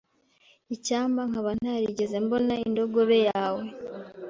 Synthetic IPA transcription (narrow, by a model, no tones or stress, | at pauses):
icaːmbaŋ̥aβan̥aɾiɟezembo̞naindo̞ɡo̞βe̞jaːwe̞